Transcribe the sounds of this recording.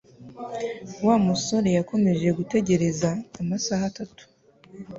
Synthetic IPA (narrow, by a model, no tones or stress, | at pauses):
waːmuso̞ɾe̞jako̞me̞ʒe̞ɡute̞ɟe̞ɾe̞zaːmasaːhatatu̥